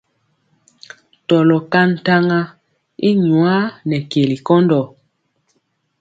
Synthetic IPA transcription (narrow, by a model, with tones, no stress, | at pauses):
tɔ˨lɔ˨ka˦n̩˨ta˦ŋa˦ | i˦ɲu˨a˦nɛ˨ke˨li˨kɔ˦ndɔ˨